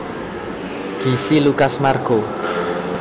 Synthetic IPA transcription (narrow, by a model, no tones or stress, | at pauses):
ɡ̥isilukasmarɡ̥o